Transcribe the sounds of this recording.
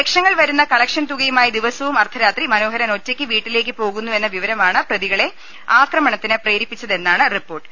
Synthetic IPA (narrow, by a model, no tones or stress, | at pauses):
ekʂɐŋːɐɭʋɐɾunːɐkɐɭɐkʂɐnt̪uɣɐjumaːjid̪iʋɐsɐʋumɐrt̪ʰɐɾaːt̪rimɐno̞ːɦɐɾɐno̞tːekʲːɨʋiːʈːile̞ːk̬ːɨpo̞ːɣunːue̞nːɐʋiʋɐɾɐmaːɳɨprɐðiɣɐɭe̞ | aːkrɐmɐɳɐt̪ːinɨpreːɾipːit͡ɕːɐðe̞nːaːɳɨripːo̞ːrʈːɨ